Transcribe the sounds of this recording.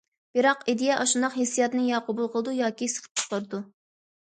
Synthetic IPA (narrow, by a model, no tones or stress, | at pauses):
b̥ɨɾɑqid̪ijɛʔɑʃund̪ɑqhesijɑt̪nɨjɑqʰobulˠqʰəlˠɨd̪ujɑːkʲisɨ̥qʰə̥p̚t͡ʃʰqəɾɨd̪u